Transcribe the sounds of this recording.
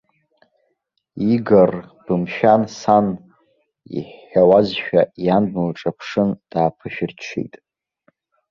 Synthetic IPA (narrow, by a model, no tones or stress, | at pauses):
iɡar | b̥ɨmʃᶣansan | ḭħːawazʃᶣajanbmalʈ͡ʂʼapʰʂɨnd̥aːpʰɨʃᶣɪrt͡ʃʰḭjtʼ